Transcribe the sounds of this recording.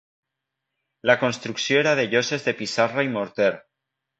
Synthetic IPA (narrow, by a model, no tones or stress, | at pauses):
lako̞nst̪ɾuksjoeɾaðeʎo̞sezðe̞pisaraimoɾt̪eɾ